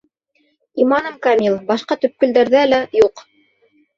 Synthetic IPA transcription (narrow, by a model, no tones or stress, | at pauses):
imɑnɤmkamʲilˠbɑʃqɑt̪ɵ̆p̚kɵ̆ld̪æɾðælæjuq